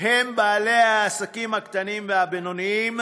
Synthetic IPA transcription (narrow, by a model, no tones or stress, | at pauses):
hɛmbalɛasakimak̚tanimbabɛnɔnim